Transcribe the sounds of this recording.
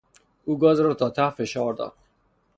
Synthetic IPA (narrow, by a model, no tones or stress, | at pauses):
uɡɔzɾɔt̪ʰɒːt̪ʰafeʃɑːɾd̪ɒ̰ɾd̪